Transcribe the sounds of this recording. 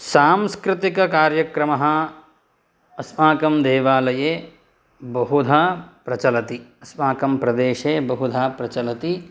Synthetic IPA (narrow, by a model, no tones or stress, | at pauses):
saːmskɾɪt̪ikɐkaːɾjɐkɾɐmɐɦɐ̆ | ɐsmaːkɐmd̪eːʋaːlɐjeː | bɐɦud̪ʱapɾɐt͡ʃɐlɐt̪iɐsmaːkɐmpɾɐd̪eːʃeːbɐɦud̪ʱaːpɾɐt͡ʃɐlɐt̪i